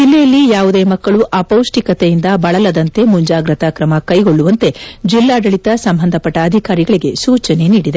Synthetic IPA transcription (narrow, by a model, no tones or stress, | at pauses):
d͡ʒilːejɐlːijaːʋud̪e̞ːmɐkːɐɭuʔɐpɐwʂʈikɐt̪ejind̪ɐbɐɭɐlɐd̪ɐnt̪e̞muɲd͡ʒaːɡɾɐt̪ɐkɾɐmɐkɐjɡo̞ɭːuʋɐnt̪e̞d͡ʒilːaːɖɐɭit̪ɐsɐmbʱɐnd̪ʱɐpɐʈːɐːd̪ʱikaːɾiɡɐɭiɡe̞suːt͡ʃɐne̞niːɽid̪e